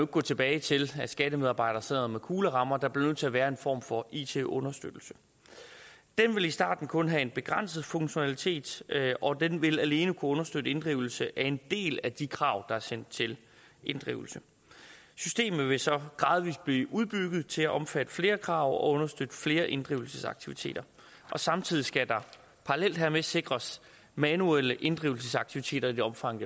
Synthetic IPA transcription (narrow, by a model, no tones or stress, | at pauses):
eɡ̥̚ɡ̥ɔ̰ːt͡sʰe̝b̥ɛːɪt͡sʰe̝læsɡ̥æd̥əmeðˠɑ̈ːb̥ɑ̈ɪ̰d̥ɐse̝ð̰ð̩ˠmekʰuːləʁɑ̈mɐd̥ɑ̈b̥le̝nøð̰ˠt͡sʰe̝æʋæːɐe̝nfɒ̰ːmfɒ̽ḭːt͡sʰe̝̰ʔɔ̽nɐsd̥ø̰d̥l̩sə | d̥enʋe̝lisd̥ɑ̰̈ːd̥n̩kʰɔ̽nɦæe̝nb̥e̝ɡ̥ʁɑn̰səð̞ˠfɔ̽ŋɕo̝nælit͡sʰe̝̰ːd̥ʔɒ̽d̥enʋe̝læle̝ːnəkʰuɔ̽nɐsd̥ød̥əe̝nd̥ʁiʊl̩səʔæe̝nd̥e̝̰ːlæd̥ikʰʁɑ̈ːʊ̰d̥ɑ̈æɐsen̰d̥̚t͡sʰe̝l | ʔe̝nd̥ʁḭʊl̩sə | sysd̥e̝̰ːmð̩ˠʋe̝sɒ̽ɡ̥ʁɑ̈ːð̞ˠʋḭːsb̥liːʔuð̞ˠb̥yɡ̥ð̩ˠt͡sʰe̝læʔɒ̽mfæd̥ə̥fle̝ːɐkʰʁɑ̈ʊ̰ɒ̽ɔ̽nɐsd̥ød̥əfle̝ːɐʔe̝nd̥ʁḭʊl̩səsɑ̈ɡ̥̚t͡sʰiʋit͡sʰe̝̰ːd̥ɐ | ʔɒ̽sɑ̈mt͡sʰið̰ˠisɡ̥æd̥ɑ̈ | pʰɑ̈ʁɑlel̰d̥ɦæɐmese̝ɡ̥ʁɐs | mænueləʔe̝nd̥ʁiʊl̩səsɑ̈ɡ̥̚t͡sʰiʋit͡sʰe̝̰ːdɾɐid̥iɒ̽mfɑ̈ŋ̰ə